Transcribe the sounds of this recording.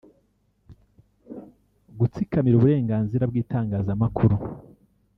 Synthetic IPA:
ɡut͡sikamiɾuβuɾe̞ːŋɡaːnziɾabɡiːtaːŋɡaːzamakʰuɾu

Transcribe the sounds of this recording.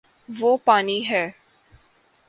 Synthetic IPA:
ʋoːpaːniːɦɛː

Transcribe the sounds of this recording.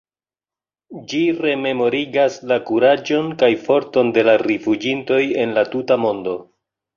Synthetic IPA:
d͡ʒiɾe̞me̞mo̞ɾiɡaslakuɾad͡ʒo̞nkajfo̞ɾto̞nde̞laɾifud͡ʒinto̞je̞nlatutamo̞ndo̞

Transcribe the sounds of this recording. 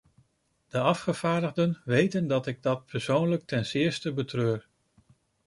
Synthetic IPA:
d̥əɑfχəv̥aːɹdəʁdənʋejtəndɑtɪɡ̚dɑt̚pʰɛɹsownlək̚tɛnsɪːɹstəbətrøːr

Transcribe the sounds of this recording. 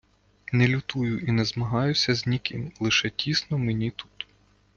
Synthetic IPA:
nɛlʲʊt̪ujʊʔinɛzmɐɦɑjʊsʲɐzʲnʲikɪ̰mlˠɪʃɛtʲisnɔmenʲit̪u̥t̪

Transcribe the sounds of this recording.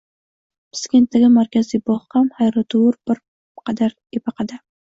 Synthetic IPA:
pʰɪ̥skʲe̞nt̪d̪aɡʲɪmaɾkʲazijbɒχqamhajɾɨt̪ʰuɾbɪɾ | qʰɑd̪aɾ | ebɑqʰɑd̪a

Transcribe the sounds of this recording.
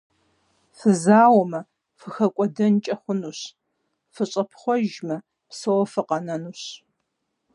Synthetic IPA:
fɨzaːwmɐ | fɨxɐkʷʼɔdɐnt͡ʃʼɐχʷʊnuɕ | fɨɕʼɐpʰχʷɔʒmɐ | psɐwɔfɨqɐnɐnuɕ

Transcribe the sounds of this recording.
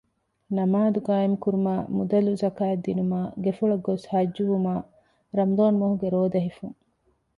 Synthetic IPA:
nɐmaːd̪uɡaːemkuɾumaːmud̪ɐluzɐkaːed̪ːinumaːɡefuɭɐɡoshɐd͡ʒːuʋumaː | ɾɐmd̪oːnmoɦuɡeɾoːd̪ɐɦifuŋ

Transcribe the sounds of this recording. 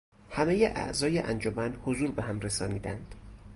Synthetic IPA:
hæmejeʔæ̰ʔzɒːjeʔænd͡ʒomænhozuːɾbeɦæmɾesɒːniːd̪æ̰nd̪̥

